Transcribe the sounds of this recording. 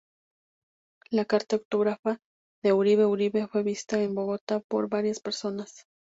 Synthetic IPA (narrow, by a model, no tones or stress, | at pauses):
lakaɾt̪aowt̪oɣɾafa | ðeuɾiβeuɾiβefwe̞βist̪aembo̞ɣot̪apo̰ɾβaɾjaspe̞ɾso̞nas